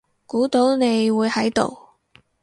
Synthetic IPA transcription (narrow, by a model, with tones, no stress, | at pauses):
kuː˨˥t̪o˨˥wne˨˧jwuː˨˧jhɐ˨˥jt̪o̰˨w